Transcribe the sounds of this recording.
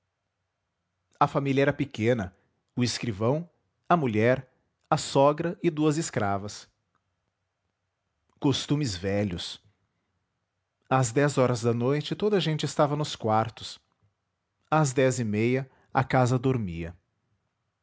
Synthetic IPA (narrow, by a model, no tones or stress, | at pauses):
ɐfamilɐɛɾɐpekẽnɐ | ʊɪskɾivɐ̃w̃ | ɐmuʎɛɾ | ɐsɔɡɾɐʔɪd̪uɐzɪskɾavɐs | kost̪ũmɪzvɛʎʊs | ɐzd̪ɛzɔɾɐzd̪ɐnojt͡ʃɪt̪od̪ɐʒẽnt͡ʃɪɪst̪avɐnʊskwaɾt̪ʊ̥s | ɐzd̪ɛzɪmejɐ | ɐkazɐd̪oɾmiɐ̰